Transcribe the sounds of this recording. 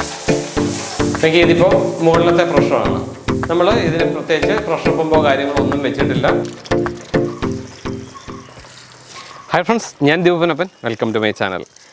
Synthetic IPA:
leŋɡieðipːo̞ːmoːɭɐlɐt̪ːe̞prɐʂɳɐma̰ːɳɨ̰nɐmːɐɭiðinɨprɐt̪ːjeːt͡ɕːɨprɐʂɐpːɐmboːkaːɾjɐŋːɐɭo̞nːumʋet͡ɕːiʈːilːɐ | hɐjfrɐɳɖsɲaːnd̪ibɐʋɐnɐpːɐnʋelkɐmtumɐjt͡ɕa̰ːnɐ̰l

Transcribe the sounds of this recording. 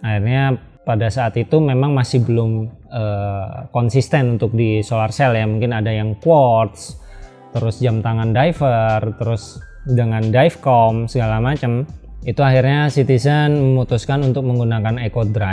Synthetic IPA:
ahirɲa | padasaːt̪it̪umemaŋmasɪhbəlʊm | əːkɔnsist̪ɛnunt̪ʊk̚disolarsɛljamuŋkɪnadajaŋkwɔrt̪s | t̪əɾʊsd͡ʒamt̪aŋandaifərt̪əɾʊsdəŋandajfkɔmsəɡalamat͡ʃəmit̪uaɦirɲasit̪isənməmut̪uskanunt̪ʊk̚məŋɡunakanekodɾa

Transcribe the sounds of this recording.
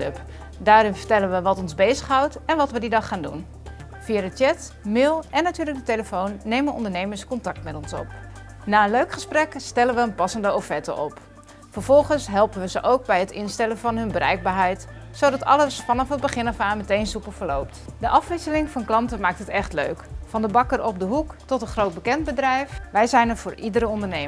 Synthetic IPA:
ɵp | daːɾɪnfəɹtɛlənʋəʋɑtɔnzbejzəχɦawtɛnʋɑtʋədidɑχaːndun | fiadətjɛt | mɪːlˠʔɛnːatyːɹrlək̚dəteləfownːejmənɔ̰ndəɹnejməɹskɔntɑk̚tmɛtɔnsɔ̰p | naːənløɥkχəsprɛkstɛlənʋəənpɑsəndəowfɛtə̰ʔɔp | fəɹv̥ɔlˠχənsɦɛlˠpənʋəzəʔowk̚bɛjɦətɪnstɛlənvɑnɦɵnbərʔɛ̰jɡ̚baːɦɛjtsodɑtɑ̰ləsfɑnɑfət̚bəχɪnəfaːmətejnsupəfəlowp̚tdəʔɑfʋɪsəlɪŋfɑnklɑntəmaːk̚tɦətɛχtlø̰ɥkfɑndəbɑkərʔɔb̚dəɦuktɔtənχrowt̚bəkɛnd̚bədrɛjfʋɛjzɛjnəɹvʊːɹʔidəɾəɔndəɹnej

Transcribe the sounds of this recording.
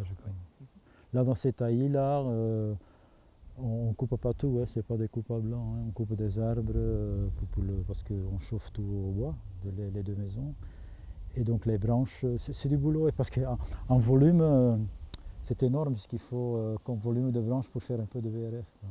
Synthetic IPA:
aʒəkɔɲ | lad̪ɑ̃sɛt̪ailaø | ɔ̃ːkuppat̪uɛ̃sɛpad̪ekupablɑ̃ɛ̃ɔ̃kupd̪ezaʁbʁəupuʁləpaʁsə̥kəɔ̃ʃoft̪uobwad̪əleled̪ømezɔ̃ | ed̪ɔ̃klebʁɑ̃ʃøsɛsɛd̪ybuloepaʁsə̥kə̃ɑ̃vɔlym | sɛt̪enɔʁməpiskilfoøkɔ̃mvɔlymd̪əbʁɑ̃ʃpuʁfɛʁɛ̃pød̪əbeɛʁɛfkwa

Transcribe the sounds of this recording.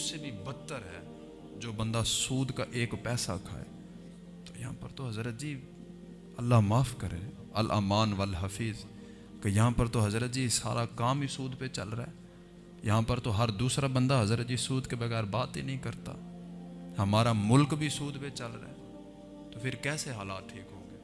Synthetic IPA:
ʊseːbʱiːbət̪ːəɾɦɛː | d͡ʒoːbə̃nd̪aːsuːd̪kaːʔeːkpɛːsa̰kʰa̰ːḛː | t̪oːjəɦã̰ːpə̰ɾt̪oːɦəzɾət̪̚d͡ʒiː | əlːaːmaːfʰkəɾeː | əlʔa̰ːmaːnʋəlɦəfʰiːz | kejəɦãːpəɾt̪oɦəzɾət̪̚d͡ʒiːsa̰ːɾaːkaːmiːsuːd̪pet͡ʃə̰lɾaḛː | jɐɦãːpəɾt̪oɦəɾd̪uːsɾaːbə̃nd̪aːɦəzɾət̪̚d͡ʒiːsuːd̪kebəɣɛːɾbaːt̪eːnəɦĩːkəɾt̪a̰ː | həmaːɾaːmʊlkbʱiːsuːd̪pet͡ʃəlɾa̰eː | t̪oːpʰɪɾkɛːseɦaːlaːt̪ʈʰiːkɦõːŋɡeː

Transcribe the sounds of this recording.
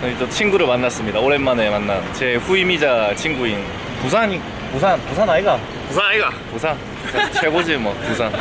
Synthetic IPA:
ʌid͡ʑʌt͡ɕʰiŋɡuɾɯɭmanːas͈ɯmɲidaoɾe̞nmane̞manːant͡ɕe̞ɸuimid͡ʑat͡ɕʰiŋɡuin | pus̬ʰaɲi | pusʰanpusʰanaiɡa | pusʰanaiɡapusʰan | puat͡ɕʰwe̞ɡod͡ʑimwʌpusʰan

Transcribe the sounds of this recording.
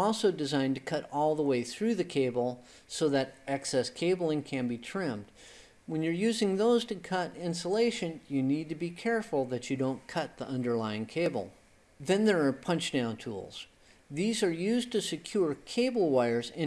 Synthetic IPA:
ɔlˠsoʊdɨzãɪ̃ntɨkʰʌɾɔlˠðəweɪθɹʉðɨkʰeɪbl̩ˠ | soʊðɨɾɛksɛskʰeɪbl̩ˠɪ̃ŋkʰɨ̃nbitʰɹ̥ɪ̃md̚ | wə̃njə˞jʉzɪ̃ŋðoʊz̥tɨkʰʌɾɪ̃nsəleɪʃɨ̃njɨnid̚tɨbikʰɛɹfl̩ˠðɨt͡ʃɨdõʊ̃nkʰʌt̪̚ðiʔʌ̃ndə˞laɪɪ̃ŋkʰeɪbl̩ˠ | ðɨ̃nðə˞ːpʰʌ̃nt͡ʃd̥ãʊ̃ntʰṵlˠz̥ | ðizə˞jʉztʰɨsɨkʰj̥ʊɹkʰeɪbl̩ˠwaɪə˞zɨ̃

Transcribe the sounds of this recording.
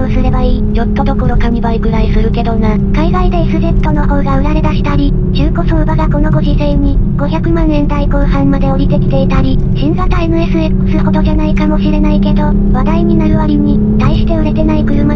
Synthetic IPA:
ɯsɨɾe̞baiːjo̞t̪ːo̞d̪o̞ko̞ɾo̞kamʲibaiɡɯ̟ɾaisɨɾɯ̟ke̞d̪o̞na | kaiɡaid̪e̞isɨze̞t̪ːo̞no̞ho̞ːɡaɯ̟ɾaɾe̞d̪aɕi̥t̪aɾʲi | t͡ɕɨːko̞soːbaɡako̞no̞ɡo̞ʑisẽ̞ɲ̟ːiɡ̥o̞çʲakɯ̟mãɰ̃ẽ̞nd̪aikoːhãmmad̪e̞oɾʲit̪e̞kʲi̥t̪e̞it̪aɾʲi | ɕĩnzat̪ae̞nɯ̟e̞sɨekɯ̟̥sɨko̞t̪o̞ʑanaikamo̞ɕiɾe̞naike̞d̪o̞ | βad̪aiɲ̟inaɾɯ̟βaɾʲiɲ̟i | t̪aiɕi̥t̪e̞ɯ̟ɾe̞t̪e̞naikɯ̟ɾɯ̟ma

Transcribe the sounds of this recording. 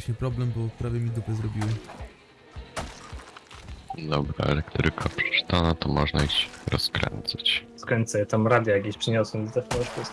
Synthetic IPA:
ɕɲɛpɾɔblɛmbɔpɾavʲjɛmʲid̪upɘzɾɔbʲiwɘ | d̪ɔbɾa̰ɛ̰lɛkt̪ɾɘkʰapʂɛ̥t͡ʂɘ̥t̪anat̪ɔmɔʐnaiɕt͡ɕɾɔskɾɛ̰nt̪sat͡ɕskɔɲʲt̪sat̪amɾad̪ʲjajakʲeɕpʂɛɲɔswɛmʲizt̪ɛfɔnɛʂkɔs

